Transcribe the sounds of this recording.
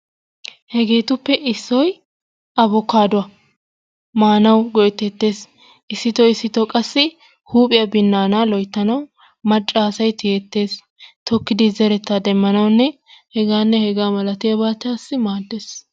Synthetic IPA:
hɛɡe̞ːt̪ʊpːɛʔɪsːɔj | ɐbɔkːaːd̪ʊwɐ | maːnɐwɡɔʔɛt̪ːɛt̪ːe̞ːs | ʔɪsːɪt̪ɔɪsːɪt̪ɔkʼɐsːɪ | huːpʼɪjɐbɪnːaːnaːlɔjt̪ːɐnɐw | mɐt͡ʃʼːaːsɐjt̪ɪjet̪ːe̞ːs | t̪ɔkːɪd̪ɪzɛɾɛt̪ːad̪ɛmːɐnɐwnːɛ | hɛɡaːnːɛhɛɡaːmɐlɐt̪ɪjɐbaːt̪ɪjaːsːɪmaːd̪ːeːs

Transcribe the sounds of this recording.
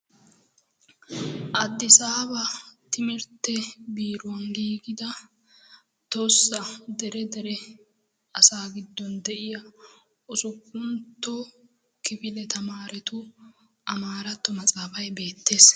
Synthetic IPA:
ʔɐd̪ːɪsaːbɐt̪ɪmɪɾt̪ːɛbiːɾʊwɐnɡiːɡɪd̪ɐ | t̪osːɐd̪ɛɾɛd̪ɛɾɛ | ɐsaːɡɪd̪ːɔnd̪ɛʔɪja | ʊsʊkːʊnt̪ːɔ | kɪfɪlɛt̪ʰɐmaːɾɛt̪ʊ | ʔɐmaːɾɐt̪ːɔmɐt͡sʼaːfɐjbe̞ːt̪ːe̞ːs

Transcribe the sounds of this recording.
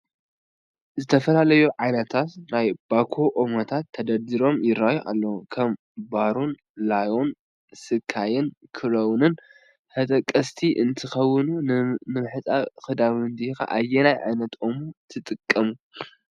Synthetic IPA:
zɨt̪ʰɐfɐlalɐjuʕajnɐt̪ʰat̪najb̥akʰoʔomɐt̪ʰat̪ʰːɐd̪ɐd̪iɾo̞mjɪɾːajuʔa̰lːɐwukʰɐm | baɾun | lajo̞n | sɨkʰːajɪnkʰɨɾɐwnɨn | hɐt̪ʼɐkʼːɐst̪ʰiʔɨnt̪ʰɨxɐwːɨnunɨmɨħɨt͡sʼakɨd̪aβɨnd̪ika̰ʔa̰jːenajʕa̰jnɐt̪omut̪ʰɨt̪ʼɨkʼːɐmu

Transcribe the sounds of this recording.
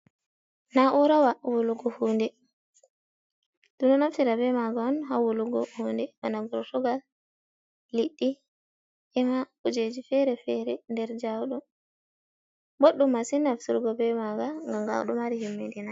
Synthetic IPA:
naʔuɾawawuluɡɔhuːndɛ | d̥unɔnaftiɾabɛmaɡaɔnɦawuluɡɔhuːndɛbanaɡɔtɔɡal | liɗːi | ʔɛmakud͡ʒed͡ʒifɛɾɛfɛɾɛndɛɾd͡ʒawɗɔ | boɗːumasinafsuɾɡɔbɛmaɡaŋɡamɡa̰wɗɔmaɾihimːendina

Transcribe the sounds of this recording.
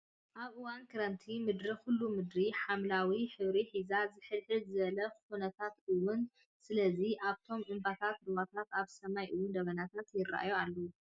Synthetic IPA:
ʔaβʔɨwankʰɐɾɐnt̪ʰimɨd̪ɾixulːumɨd̪ɾiħamlawiħɨβɾiħizazɨħɨlħɨzɨβɐlɐxunɐt̪ʰat̪ʔɨwun | sɨlɐziʔaβt̪ʰo̞mʔɨmbat̪ʰat̪ɾuwat̪ʰat̪aβsɐmajʔɨwund̪ɐβɐnat̪ʰat̪jɪrːa̰ʔjoalːɐwu

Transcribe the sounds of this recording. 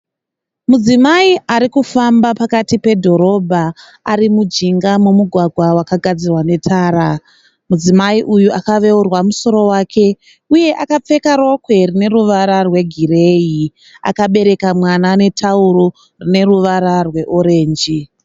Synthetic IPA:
mud͡zimaiaɾikufambapakatipe̞dʱo̞ɾo̞bʱaː | ɾimud͡ʒiŋɡamomuɡʱwaɡʱwawakaɡʱad͡zirwane̞tʰaːɾa | mud͡zimaiʔujuʔakaʋe̞urwamuso̞ɾo̞waːkʰe̞ | uje̞ʔakap͡fe̞kaɾo̞kwe̞rine̞ɾuʋaɾarwe̞ɡʱire̞ːji | a̰kaɓe̞ɾe̞kamwanane̞tʰauɾo | rine̞ruʋaɾarwe̞ʔo̞ɾe̞ːnd͡ʒi

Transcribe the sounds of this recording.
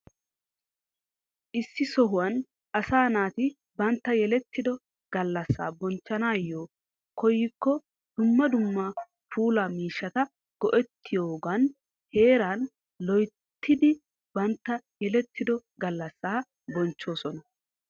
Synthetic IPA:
ʔɪsːɪsɔɦʊwɐn | ʔɐsaːnaːt̪ɪ | bɐnt̪ːɐjɛlɛt̪ːɪd̪ɔ | ɡ̥ɐlːɐsːa̰ːbɔnt͡ʃːɐnaːjːoː | kɔjːɪkːɔ | d̪̥ʊmːɐd̪ʊmːa | fuːlaːmiːʃːɐt̪ɐ | ɡ̥ɔʔɛt̪ʰːɪjoːɡɐn | he̞ːɾan | lɔj | t̪ʰːɪd̪ɪ | b̥ɐnt̪ːɐjɛlɛt̪ʰːɪd̪ɔɡɐlːɐsːaː | bɔnt͡ʃːo̞ːsɔnɐ

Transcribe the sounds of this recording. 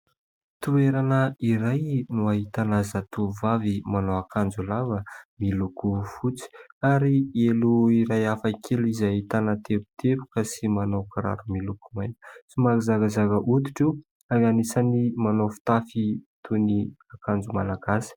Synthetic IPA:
t̪ueɾanəiɾajnuaɦit̪anazat̪uvavimanowakand͡zulavəmilukufut͡si̥aɾieluiɾajafakʰelizaɦit̪anət̪ʰepu̥t̪ʰepu̥kəsimanawkaɾa̰ɾumilukumajnə̥simakizaɡazaɡəʔut̪i̥ʈ͡ʂu | aɡanisanimanofi̥t̪afit̪ʰuniakand͡zumalaɡasi̥

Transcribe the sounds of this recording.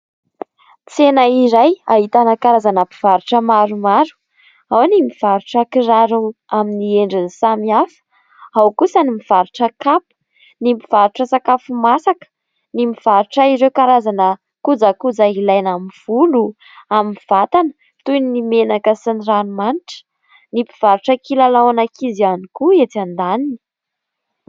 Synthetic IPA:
t͡senaiɾaja̰ɦit̪anəkaɾazanəpi̥v̥aɾuʈ͡ʂəmaɾumaɾu̥ | awnimiv̥aɾuʈ͡ʂəkiɾaɾuaminieɳɖ͡ʐinsamiafə̥ | awkusənimiv̥aɾuʈ͡ʂəkapə̥ | nimpiv̥aɾuʈ͡ʂəsakafumasakə̥ | nimiv̥aɾuʈ͡ʂaiɾewkaɾazanə | kud͡zakud͡zailajnamiv̥ulu | aminiv̥at̪anə̥ | t̪ujnnimenakəsiniranumaniʈ͡ʂə̥ | nipiv̥aɾuʈ͡ʂəkilalawanakizianikuet͡s̪and̪anini̥

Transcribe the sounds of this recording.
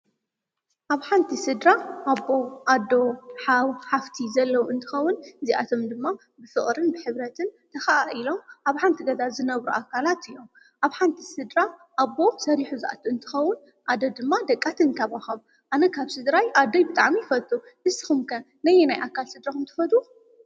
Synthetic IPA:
ʔaβħant̪ʰisɨd̪ɾaʔːbːo̞ʔad̪ːo̞ħawħaft̪ʰizɐlːɐwuʔɨnt̪ʰɨ̥xɐwːʊnɨziʔa̰t̪ʰomd̪ɨmːa | bɨfɨχʼɾɨnbɨħɨβɾɐt̪ʰɨnt̪ʰɐxaʔaʔilo̞mʔaβħant̪ʰiɡɐd̪azɨnɐβɾuʔakʰːalat̪ɨjːom | ʔaβħant̪ʰi̥sɨd̪ɾaʔabːo̞sɐɾiħuzɨʔa̰t̪ʰuɨnt̪ʰɨ̥xɐwːʊn | ʔad̪od̪ɨmːad̪ɐkʼːat̪ʰɨnkʰaβaxɐm | ʔanɐkʰaβsɨd̪ɾajʔad̪ojbɨt̪ʼaʕmifɐt̪ʼuʔɨzɨxɨmkʰɐ | nɐjenajʔakʰːalsɨd̪ɾakʰɐmt̪ʰɨ̥fɐt̪ʼu

